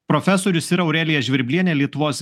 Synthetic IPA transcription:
pɾɔfʲɛsoːɾʲʊsiɾɐɐʊɾʲæːlʲɪjɛʒʲʋʲɪɾʲbʲlʲiɛnʲeːlʲiɛt̪ʊʋoːs

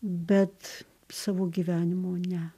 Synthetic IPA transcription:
bʲɛt̪ | sɑːʋoːɡʲiːʋʲæːnʲɪmoːnʲɛ

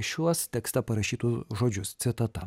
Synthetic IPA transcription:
ʃʲuɔst̪ʲɛkst̪ɐpɐɾɐʃʲiːt̪ʊsʒoːd͡ʒʲʊst̪sʲɪt̪ɐt̪ɐ

